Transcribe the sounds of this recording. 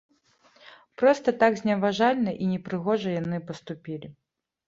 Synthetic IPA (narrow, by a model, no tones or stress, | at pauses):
pɾɔst̪ɐt̪aɡzʲnʲɛvaʐalʲnɐʔinʲɛpɾɨɣɔʐɐjanɨpɐst̪upʲilʲi